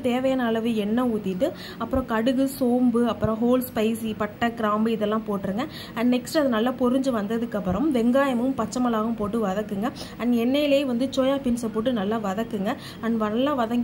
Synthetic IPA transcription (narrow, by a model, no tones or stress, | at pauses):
t̪eːʋɐjɐnaːlɐʋeɛnːɐuːt̪ːɪʈːɯ | ɐpːɯɾɔ̃kɐɽɯɣɯsoːmbɯɐpːɯɾɔ̃ɦoːlspɐɪsipɐʈːɐkɪɾaːmbɯɪðɛlːãːpoːʈːɯɾɯŋɡɐ | ɐnːɛksʈɐðɯnɐlːapɔɾɯɲd͡ʒɯʋɐnd̪ɐðɯkːɐpːɯɾɐ̃mʋɛŋɡaːjɐmɯmpɐt͡ʃːɐmɐlaːɣɯmpoːʈːɯʋɐðɐkːɯŋɡɐ | ɐnːɛnːɐjɪlɐeːʋɐnd̪ɯt͡ʃoːjaːpɪnsɐpoːʈ̬ːɯnɐlːaːʋɐðɐkːɯŋɡɐ | ɐnːʋɐnɐlːãːʋɐðɐŋɡ